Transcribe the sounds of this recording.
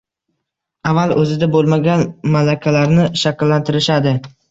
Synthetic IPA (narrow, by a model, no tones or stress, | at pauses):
avːalɵzɪd̪abolˠmaɡʲanmalakʲʰalaɾnɪʃakʲlːant̪ʰɪɾɪʃad̪ɪ